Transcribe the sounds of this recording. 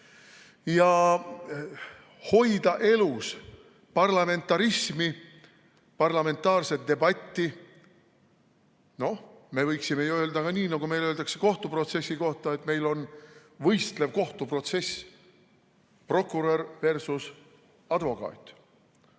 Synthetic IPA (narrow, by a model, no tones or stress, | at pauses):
jɑ | ho̞jd̪̥ɑʔe̞lus | pɑrlɑme̞nt̪ˑːɑɾismi | pɑrlɑme̞nt̪ːˑɑːrse̞t̪̚d̪̥e̞bɑt̪ʲːi | no̞hme̞vɤjksime̞juø̞ːld̪ɑkɑniːnɑɡume̞jlø̞ːld̪̥ɑkse̥ko̞ht̪upro̞t̪se̞sːiko̞ht̪ɑe̞t̪ːme̞jlo̞nvɤjst̪le̞vko̞ht̪upro̞t̪se̞s | pro̞kːuɾeɾve̞rsus | ɑd̪vo̞kˑɑ̰ːt̪ːˑ